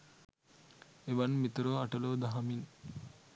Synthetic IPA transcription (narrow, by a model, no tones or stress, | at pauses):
eʋanmit̪uɾoːaʈɐloːd̪aɦɐmin